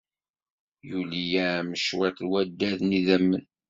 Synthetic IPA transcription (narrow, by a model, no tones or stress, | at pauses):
julijæməʃwæt̪lwæd̪ːæðniðæmːən